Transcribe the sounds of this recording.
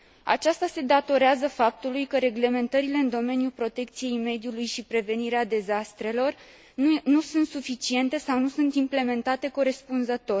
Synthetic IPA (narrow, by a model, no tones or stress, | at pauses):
a̰t͡ʃast̪ase̞d̪at̪o̞ɾeazəfap̚t̪ulujkəɾe̞ɡle̞me̞nt̪əɾile̞ɨnd̪o̞me̞njulpɾo̞t̪e̞k̚t̪sije̞jme̞d̪julujʃipɾe̞ve̞niɾead̪e̞zast̪ɾe̞lo̞r | nusunt̪sufit͡ʃie̞nt̪e̞sawnusunt̪imple̞me̞nt̪at̪e̞ko̞ɾe̞spunzət̪o̞